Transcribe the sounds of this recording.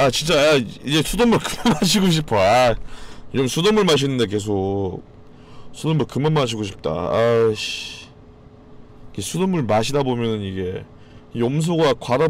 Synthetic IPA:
at͡ɕint͡ɕ͈aaid͡ʑe̞sʰudomːuɭkɯmamaɕʰiɡoɕ̬ʰipʰoa | t͡ɕʌmsʰudomuɭmaɕ̬ʰinːɯnde̞k̬e̞s̬ʰok̚ | sʰudomuɭkɯmanmaɕ̬ʰiɡoɕʰi̥p̚t͈a̰aɕ | ike̞sʰudomːuɭmaɕʰidabomjʌnɯniɡe̞ | ioms̬ʰoɡakwada

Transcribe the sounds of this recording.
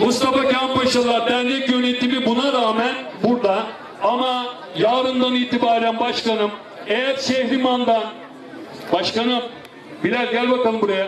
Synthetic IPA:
must̪afacʰampaʃalˠaɾt̪ænd̪ɛkjø̞net̪imibunaɾaːmænbuɾd̪a | ama | jaːɾɯnd̪aniːt̪ʰibaːɾænbaʃkanɯm | ejæɾsɛɦɾimand̪an | baʃkanɯm | bilʲæɾʲɟælʲbakalˠɯmbuɾaja

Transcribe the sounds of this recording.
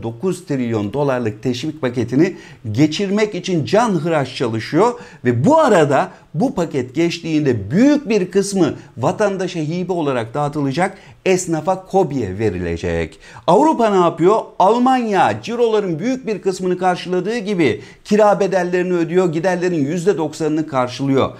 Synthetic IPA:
d̪o̞kuzt̪ʰɾilʲːjo̞nd̪o̞lˠaɾlˠɯk̚t̪ʰɛʃvic̚pʰace̞t̪ʰini | ɟe̞t͡ʃʰiɾmɛcit͡ʃʰind͡ʒanɦɯɾat͡ʃt͡ʃʰalˠɯʃɯjo̞ɾvɛbuaɾad̪a | bupacʰɛt̪ɟɛt͡ʃt̪ʰiːnd̪ɛbyjyc̚biɾkʰɯsmɯvat̪ʰand̪aʃaɦiːbio̞lˠaɾak̚d̪̥aːt̪ʰɯlˠɯd͡ʒak | ɛsnafakʰo̞bijɛ̰ve̞ɾḭlʲḛd͡ʒɛ̰c | avɾupanaːpɯjo̞alˠmanjad͡ʒiɾo̞lˠaɾɯnbyjyc̚biɾkɯsmɯnɯkʰaɾʃɯlˠad̪ɯːɟibi | cʰiɾaːbe̞d̪æɾlʲːe̞ɾiniød̪yjo̞ɟid̪æɾlʲe̞ɾinjyzd̪ɛd̪o̞ksanɯnɯkʰaɾʃɯlˠɯjo̞̰

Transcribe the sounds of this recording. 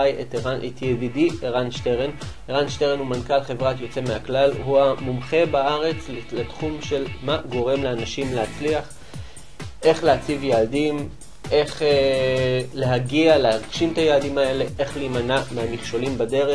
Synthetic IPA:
ajetanʔet̪ʰjevidieʁanʃteʁen | eʁanʃteʁenumankalχevʁat̪jo̞t͡se̞meaklalhuamumχe̞baaʁe̞t͡sliletχumʃe̞lmaɡo̞ʁe̞mleanaʃimleat͡sliaχ | ʔe̞χleat͡sivjaːdim | e̞χe | le̞ɦaɡialehaʁɡʃimt̪ajaːdimae̞le̞ʔe̞χliːmanameamiχʃo̞limbade̞ʁe

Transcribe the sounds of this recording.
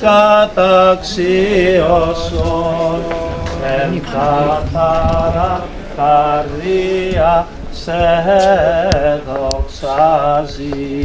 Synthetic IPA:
kat̪aksiɔsonɛnkat̪aɾa | karia | sɛɦɛ | ðɔksazi

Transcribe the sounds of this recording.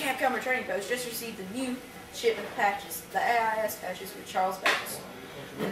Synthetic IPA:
æ̃kʰʌ̃mə˞tʰẽɪ̃ɪ̃ŋpʰoʊsd̥ʒ̥ʌst̚ɹɨsivðɨnjʉ | ʃɪpʌv̥pʰæk̚t͡ʃɨz̥ðieɪaɪɛspʰæk̚t͡ʃɨzwɨð̥t͡ʃʰɑɹlˠzbæ̰ks

